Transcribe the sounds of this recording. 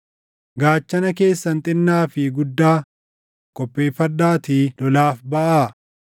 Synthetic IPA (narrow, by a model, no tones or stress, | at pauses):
ɡaːt͡ʃːɐnɐke̞ːsːɐnt̪ʼɪnːaːfɪɡʊd̪ːaː | kʼɔpʼːeːfɐd̪aːt̪iːlɔlaːfbɐʔaː